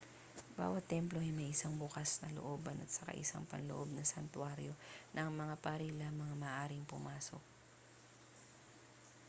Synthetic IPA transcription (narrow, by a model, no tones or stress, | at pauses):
ba̰ːwɐt̪ːɛmploʔɐjmɐjʔɪsaŋbʊkasnɐloʔoːbɐnʔɐt̪sɐ̥ka̰ʔɪ̰sa̰ŋpɐ̰nlo̰ʔo̞b̚nɐsɐnt̪waɾjo̞nʔɐŋmɐŋapaɾilɐŋmɐŋamɐːʔaːɾɪŋpʊmaːso̰k̚